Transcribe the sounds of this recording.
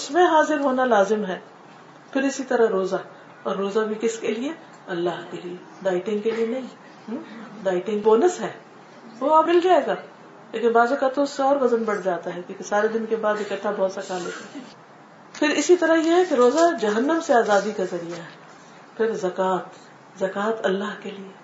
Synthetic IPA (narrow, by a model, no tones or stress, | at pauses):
ʊsmẽɦaːzɪɾɦoːnalaːzɪmɦɛː | pʰɪɾɪsit̪ɐɾaɦɾoːzaɦɛ | ɔːɾːoːzabʱikɪskelie | ɐlːaɦkelie | ɖaːɪʈɪ̃ŋɡkelienɐɦĩ | ɦɖaːɪʈɪ̃ŋɡboːnəsɦɛː | ʋoamɪld͡ʒaːeːɡaː | leːkɪnbaːzõkat̪ːoʊsːeɔːɾɣɐzənbɐɽ̤d͡ʒaːt̪aɦɛkjõːkesaːɾed̪ɪnkebaːd̪ɪkəʈ̪ːabɔːt̪sɐkaːleːka | pʰɪɾɪsit̪ɐɾəɦjeɦɛkeɾoːzad͡ʒɐɦənːəmseaːzaːd̪ikazɐɾijaɦɛ | pʰɪɾzɐkaːt̪ | zɐkaːt̪ɐlːaːɦkelie